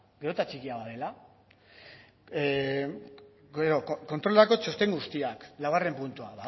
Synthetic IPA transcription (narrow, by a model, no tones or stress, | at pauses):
ɡeɾot̪at͡ʃikiaβaðe̞la | ɡeɾo̞kko̞nt̪ɾo̞lako̞t͡ʃo̞st̪e̞ŋɡust̪iaklaare̞mpunt̪uaβa